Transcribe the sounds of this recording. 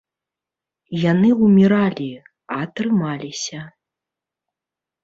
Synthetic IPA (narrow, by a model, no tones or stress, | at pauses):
janɨwmʲiɾalʲi | ɐːt̪ɾɨmalʲisʲɐ